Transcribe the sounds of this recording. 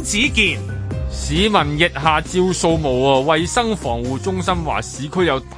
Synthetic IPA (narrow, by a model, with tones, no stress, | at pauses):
t͡siː˨˥kiː˨˧nsiː˨˥mɐ˨˩njɪ˨t̚ɦaː˨t͡siː˧wso˧wmo˨˩waː˧wɐ˨jsɐ˥ŋfɔː˨˩ŋwuː˨t͡sʊ˥ŋsɐ˥mwa̰ː˨˩siː˨˥kʰɵ˥ɥjɐ˨˧wt̪